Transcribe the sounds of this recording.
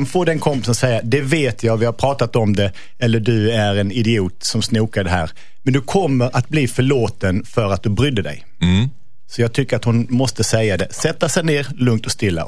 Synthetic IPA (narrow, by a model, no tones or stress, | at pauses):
nfoːd̪ɛnkʰɔmpːɪsənsɛjːad̪ɛveːt̪ʰjɑːɡvɪhaɾpʰɾɑːt̪at̪ɔmd̪ɛ | ɛlːəɖɵæɾɛnɪd̪ɪuːt̪sɔmsnuːkad̪ɛɦæ̰ːɾ | mɛnd̪ɵkʰɔmːəɾʔat̪̚bliːfœɭoːt̪ənfœɾat̪̚d̪ɵbɾʏd̪ːəd̪ɛ̰j | sɔjɑːɡ̚t̪ʰʏkːəɾat̪hʊnmɔst̪əsɛjːad̪ɛsɛt̪ːasɛjneːɾlɵŋt̪ɔst̪ɪlːa̰